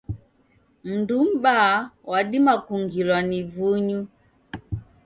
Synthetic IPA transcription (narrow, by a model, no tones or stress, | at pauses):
m̩ndum̩bawaɗimakuŋɡilwanivuɲu